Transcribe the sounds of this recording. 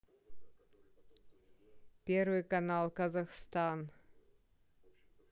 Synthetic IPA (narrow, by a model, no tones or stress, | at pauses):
pʲervɨjkɐnɑlˠkɐzaxst̪ɑn